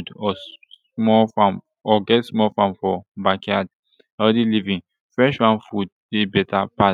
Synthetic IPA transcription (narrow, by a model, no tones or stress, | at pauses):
dɔ | mɔfam | ɔɡɛtsmɔfãmfɔbakad | ɛdilivĩ | fɹɛʃɹãnfud̚ | ebɛtʰapa